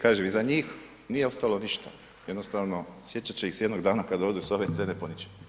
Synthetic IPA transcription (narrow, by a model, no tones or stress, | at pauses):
kaːʒemizaɲiːx | nijeo̞st̪aːlo̞niʃt̪a̰ | je̞d̪nost̪aːʋno̞sje̞t͡ɕt͡ʃat͡ɕeixsejed̪no̞ɡd̪aːnakad̪od̪usoʋet̪ʋeneponit͡ɕi̥